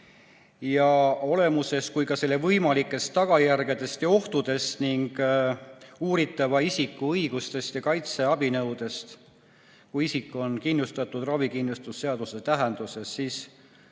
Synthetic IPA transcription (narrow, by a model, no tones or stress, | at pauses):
jɑo̞le̞muse̞skujkɑse̞lːe̞vɤjmɑlikːˑe̞st̪ːɑɡ̥ɑjærɡ̥e̞d̪̥e̞st̪jɑo̞ht̪ud̪̥e̞st̪niŋɡ̥ | uːɾit̪ːˑɑvɑisikːˑuɤjɡ̥ust̪e̞st̪jɑkɑjt̪se̞ɑbinɤwd̪̥e̞st̪ | kuisikːˑo̞nkinːust̪ɑt̪ːˑud̪̥rɑvikinːlust̪usːe̞ɑd̪̥uset̪æɦend̪̥use̞sːiːs